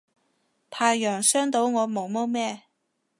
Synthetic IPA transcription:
pʰaː˧jːœː˨˩ŋsœː˥ŋt̪o˨˥wŋɔː˨˧mo˨˧wmo˥wmɛː˥

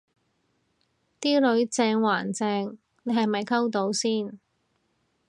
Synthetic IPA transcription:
t̪iː˥lɵ˨˧ɥt͡sɛː˧ŋwaː˨˩nt͡sɛː˧ŋ | ne˨˧ɦɐ˨˩jmɐ˨jkʰɐ˥wt̪o˨˧˥wsiː˥˩n

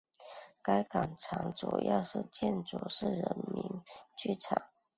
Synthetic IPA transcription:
ka˥ɪka˨˩ŋʈ͡ʂʰɑ˧˥ŋt͡sṵ˨˩jɑ̰˥˧ʊʂɻ̩˥˩˨t͡ɕjɛ˥˩nt͡su˨˩ʂɻ̩˥˩ɻə˧˥nmi˧˥ŋt͡ɕy˥˩ʈ͡ʂʰɑ˨˩˦ŋ

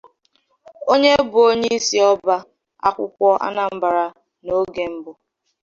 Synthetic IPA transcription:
o˦ɲe˦bʊ˨o˦ɲe˦i˦si˦ɔ˦ba˦ | a̰˦kʷʊ˦kʷɔ˦ʔa̰˦na˨m̩˦ba˨ɾa˨ | no˦ɡe˨m̩˦bʊ˨

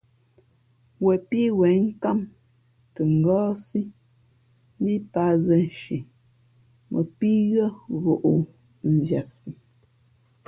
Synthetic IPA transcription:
wɛ˨pi˦wɛ˨˦ŋ̩˦ka˦˨m | tə˨ŋ̩˨ɡɔː˦si˦ | m˦bi˦pa˨˦zə˨n˨ʃi˨ | mʔə̰˨pi˦ɣə˦ɣo˨ʔu˨ | m̩˨vja˨si˨

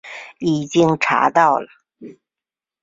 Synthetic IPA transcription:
i˨˩t͡ɕi˥ŋʈ͡ʂʰa̰˧˥t̪ɑ˥˩ʊlə˩

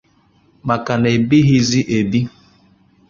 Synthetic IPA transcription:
ma˨ka˨ne˨bi˦ɦi˦zi˦ʔe˨bi˦

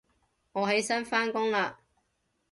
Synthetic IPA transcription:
ŋɔː˨˧ɦe˨˥jsɐ˥nfaː˥nkʊ˥ŋlaː˧

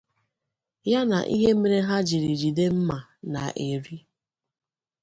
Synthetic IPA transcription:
ja˦na̰˨ʔi˦ɦe˦me˨ɾe˦ɦa˦d͡ʒi˨ɾi˨ɾi˨de˦m̩˦ma˨na˨ʔe˨ɾi˦

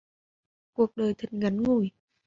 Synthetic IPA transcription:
ku˨˩ək̚ɗəː˨˩jt̪ʰə˨˩nɣa˨˦nŋu˧˩j

